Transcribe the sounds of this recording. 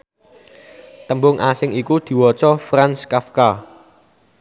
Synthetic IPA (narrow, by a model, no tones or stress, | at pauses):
t̪əmbʊŋʔasɪŋikud̪̥i̤wɔt͡ʃɔfranskafka